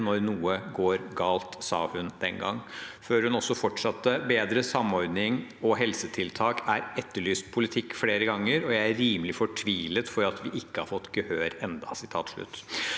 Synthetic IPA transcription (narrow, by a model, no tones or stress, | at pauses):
nɔɾnuːəɡoːɾɡɑːlt̪sɑ̰ːhʉnd̪ɛnɡɑ̰ŋːføːɾhʉnɔsːɔfɔʈʂɑt̪ːəbeːd̪ɾəsɑmɔɾd̪nɪŋɔɦɛlsət̪ʰɪlt̪ʰɑːkæɾɛt̪ːəɭyːspʰʊlɪt̪ʰɪkːfleːɾəɡɑŋːəɾɔjæɪæːiːməlɪfɔʈʰʋiːlət̪fɔɾɑt̪ʋɪʔɪkːəhɑɾfɔt̪ːɡəhøːɾɛnd̪ɑsɪt̪ʰɑ̰ːt̪ʂɭʉ̰t̪ː